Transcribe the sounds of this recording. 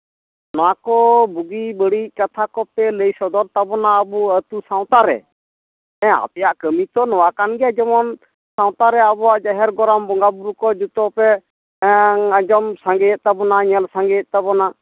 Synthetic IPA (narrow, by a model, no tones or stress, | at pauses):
nɔwakɔbuɡibəɽic̚kat̪ʰakɔpɛləjsɔd̪ɔɾt̪abɔnaəbuət̪usãw̃t̪aɾɛ̰ | ɛ̃a̰pɛjaʔkəmit̪ɔnɔwakanɡɛjad͡ʒɛmɔn | sãw̃t̪aɾɛabɔwaʔd͡ʒaɦɛɾɡɔɾambɔŋɡabuɾukɔd͡ʒut̪ɔpɛ | əd͡ʒɔmsãŋɡɛjɛʔ̪̚t̪abɔnaɲəlsaŋɡɛjɛʔt̪abɔna